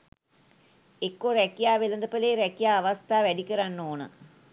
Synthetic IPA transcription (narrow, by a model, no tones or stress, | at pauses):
ekːoɾɛkijaːʋelənd̪əpəleːɾækijaːʋast̪ʰaːʋæɖikəɾanːoːnə̰